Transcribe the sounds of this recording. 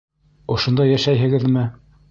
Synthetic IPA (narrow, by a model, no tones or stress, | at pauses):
ŏʃŏnd̪ɑjæʃæjɦɘ̆ɡɘðmɘ